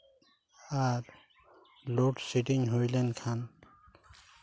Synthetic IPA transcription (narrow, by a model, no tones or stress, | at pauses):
aɾ | loʈsiʈiŋɦojlenkʰan